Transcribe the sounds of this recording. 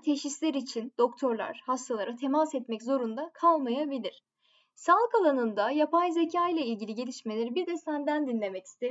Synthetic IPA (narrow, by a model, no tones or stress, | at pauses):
t̪ʰeʃislʲeɾit͡ʃʰind̪̥o̞kt̪ʰo̞ɾlˠa̰ɾ̥hast̪ʰalˠaɾat̪ʰe̞masɛt̪mɛczo̞ɾund̪akʰalˠmajabilʲiɾ̝̥ | salˠɯkalˠanɯnd̪ajapajzecʰaːilʲˠailʲɟilʲiɟe̞lʲiʃmelʲe̞ɾibiɾd̪ɛst̪ænd̪ænd̪inlʲe̞mɛcʰi̥st̪ʰeɾ